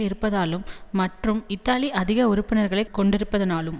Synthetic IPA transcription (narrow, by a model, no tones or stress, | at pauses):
ɪɾɯpːɐðaːlɯmːɐʈrɯmɪt̪ːaːliʔɐðɪɣɐʊɾɯpːɪnɐɾɣɐɭɐɪkːɔɳɖɪɾɯpːɐðɐnaːlɯm